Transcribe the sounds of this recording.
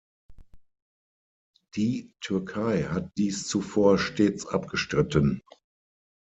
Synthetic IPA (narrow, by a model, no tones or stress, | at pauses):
d̥iːtʰʏɐkʰaɪhat̚d̥iːst͡sufoːɐʃteːt͡sʔa̰p̚ɡ̥əʃtʁ̥ɪtən